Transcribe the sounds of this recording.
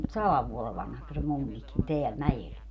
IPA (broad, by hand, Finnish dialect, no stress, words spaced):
sɑlɑʋ ʋuole ʋɑnhɑks se mumːikin teæl mæj̆el